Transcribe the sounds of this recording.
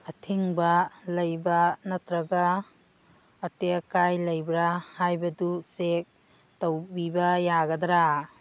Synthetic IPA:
ɐtʰiŋbɐlɐjbɐnɐtɾɐɡɐ | tekajlɐjbɾahajbɐdusek̚ | tɐwbibɐjaɡɐdɾa

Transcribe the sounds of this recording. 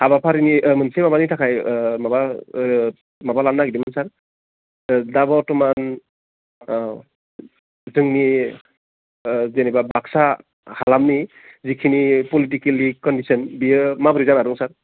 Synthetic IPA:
habapʰaɾinimɯnsemabanitʰakʰajmaba | mabalanːaɡidimɯnsaɾ | dabɔtɔman | zɯŋni | zenɛbabaksa | halamni | zikʰinipɔlitikelikɔndisɔnbijɯmabɯɾizanaɾuŋsaɾ

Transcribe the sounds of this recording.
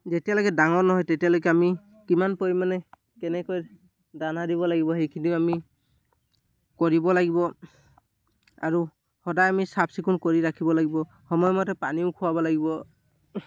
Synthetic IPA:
zetijalɔkɛdaŋɔɹnɔɦɔjtetialɔkɛami | kimanpoimanɛ | kɛnɛkɔj | danadibɔlaɡibɔhejkʰiniʊami | koɹibɔlaɡibɔ | a̰ɹu | hɔdajamisapsikʰunkoɹiɹakʰibɔlaɡibɔ | xɔmɔjmɔtɛpaniʊkʰʊwabɔlaɡibɔ

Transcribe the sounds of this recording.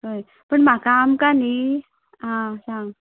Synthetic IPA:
ɦəj | pəɳm̤akaːmkani | ãsaŋ

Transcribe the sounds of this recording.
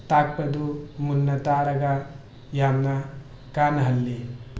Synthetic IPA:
t̪aːk̚pɐd̪umunːɐt̪aːɽɐɡɐ | jaːmnɐ | kaːnɐɦɐlːi

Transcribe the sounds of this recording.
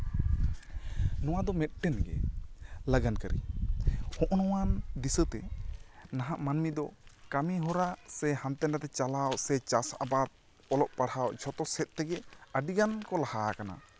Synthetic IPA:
nɔwad̪ɔmɛt̪̚ʈɛnɡɛ̰ | laɡankaɾḭ | hɔ̃ʔnɔwanɖisət̪ɛ | naɦaʔmanmid̪ɔkamiɦɔɾasɛhamt̪ɛnat̪ɛt͡ʃalawsɛt͡ʃasa̰bad̪̚ | ɔlɔp̚paɽawd͡ʒʰʱɔt̪ɔsɛt̪̚t̪ɛɡɛəɖiɡankɔlahakana̰

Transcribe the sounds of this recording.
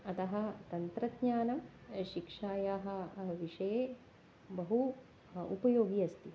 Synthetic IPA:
ɐt̪ɐɦɐ̆t̪ɐnt̪ɾɐd̪ɲaːnɐmʃikʂaːjaːɦɐ̆ʋiʂɐjeː | bɐɦu | upɐjoːɡijɐst̪i

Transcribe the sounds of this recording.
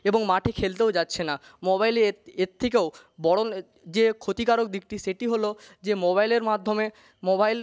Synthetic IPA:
eboŋmaʈʰekʰelt̪̬eod͡ʑatːɕʰenamobajleeɾt̪ʰek̬eo | bɔɽon | d͡ʑekʰot̪ikaɾok̚d̪ik̚ʈiʃeʈiɦolod͡ʑemobajleɾmad̪ʱːome | mobajl

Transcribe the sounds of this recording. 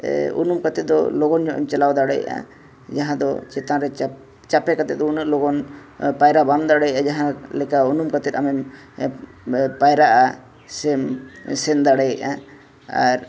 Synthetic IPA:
ṵnumkat̪ɛt̪̚d̪ɔlɔɡɔnɲɔʔɛ̰mt͡ʃɛlawd̪aɽɛj̰ʔa̰ | d͡ʒaɦãd̪ɔ̰t͡ʃɛt̪ãɾɛ | t͡ʃapɛkat̪ɛt̪̚d̪ɔunəʔlɔɡɔnpajɾaband̪aɽɛjʔad͡ʒaɦãlɛkaunumkat̪ɛt̪̚amɛm | pajɾaʔa | sɛmsɛnd̪aɽɛjɛʔa | aɾ

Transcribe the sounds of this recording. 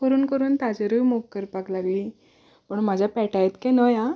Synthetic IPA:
kəɾuːnkəɾuːnt̪ad͡ʑeɾujmokkəɾpaklaɡliː | pəɳm̤ad͡ʑʱjapɛʈajt̪kɛ̃nəjã

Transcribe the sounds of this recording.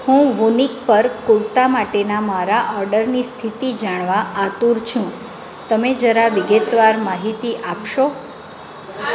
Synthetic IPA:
hũʋunik̚pəɾkuɭt̪amaʈenamaɾaʔɔɾɖəɾnist̪ʰit̪id͡ʒaɳ̃ʋaʔat̪uɾt͡ʃʰũ | t̪əmed͡ʒəɾaʋɪɡet̪ʋaɾmaɦit̪iʔapʃo

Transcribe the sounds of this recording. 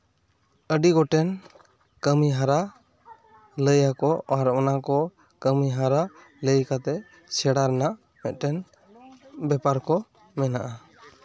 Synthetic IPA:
əɖiɡɔʈɛn | kəmiɦaɾa | ləjakɔaɾʔɔnakɔ | kəmiɦaɾa | ləjkat̪ɛ | t͡ʃʰɛɽaɾɛna | mɛt̪̚ˀʈɛn | bɛpaɾkɔ | mɛnaʔa

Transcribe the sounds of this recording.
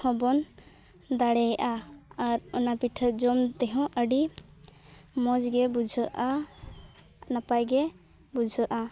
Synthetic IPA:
hɔ̃bɔn | d̪aɽɛjʔaaɾɔnapiʈʰəd͡ʒɔmt̪ɛɦɔ̃ʔəɖi | mɔd͡ʒɡɛbud͡ʒʱəʔa | napajɡɛ | bud͡ʒʱəʔa

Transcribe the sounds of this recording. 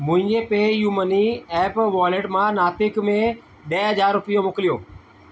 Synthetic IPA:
mʊ̃ːɪ̃ɡẽːpeːjuːməniːɛːpʋɔːleʈmãːnaːt̪ɪkmẽ | ɓeːɦəd͡ʒaːɾːʊpɪjomʊklɪjoː

